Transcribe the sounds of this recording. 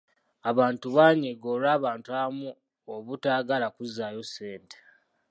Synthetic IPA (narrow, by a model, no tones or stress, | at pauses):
aβaːntuβaːɲeɡolaːβaːntuaβamu | oβutaːɡalakuzaːjosːe̞ːnte̥